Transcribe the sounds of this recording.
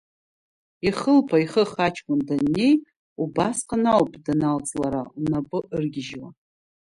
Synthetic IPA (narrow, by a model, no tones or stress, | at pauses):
iχəlpʰaiχəχat͡ʃʰkʷʼʊndanːe̞j | ubasqʰanawpʼdanalt͡sʼlaɾaunapʼɨʔɨrɡʲɪʒwa